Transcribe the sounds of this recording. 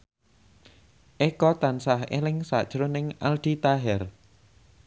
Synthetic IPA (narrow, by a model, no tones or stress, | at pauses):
ʔekɔt̪ansahḛlɪŋsa̰d̥ʒ̥ɾonɪŋald̪̥it̪aɦɛr